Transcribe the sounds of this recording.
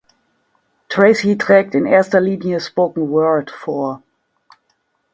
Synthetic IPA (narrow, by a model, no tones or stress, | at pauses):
tʰʁ̥ɛɪsitʁ̥ɛːk̚tɪnʔeːɐstɐliːnjəspoʊkŋ̩wɜːltfoːɐ